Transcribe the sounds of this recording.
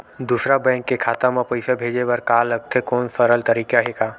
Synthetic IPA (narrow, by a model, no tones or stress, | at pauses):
d̪uːsɾabɛ̃ːŋkːekʰaːt̪amãpɐɪsabʱeːd͡ʒebɐɾkaːlɐɡ̚t̪ʰekɔːnfəɾəlt̪ɐɾiːkaɦekaː